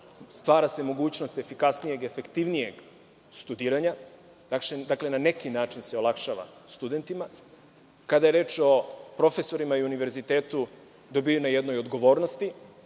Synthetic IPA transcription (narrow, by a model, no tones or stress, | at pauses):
st̪ʋaːɾase̞mo̞ɡuːt͡ɕno̞st̪e̞fikasnije̞ɡefe̞kt̪iʋnije̞ɡ | st̪ud̪iːɾaɲa | d̪akʃed̪akle̞nane̞kinaːt͡ʃinseolˠakʃaːʋa̰st̪ud̪e̞nt̪ima | kad̪aje̞ɾe̞ːt͡ʃo̞pɾo̞fe̞so̞ɾimaiuniʋe̞ɾzit̪eːt̪u | d̪obijunajed̪nojod̪ɡo̞ʋo̞ːɾnost̪i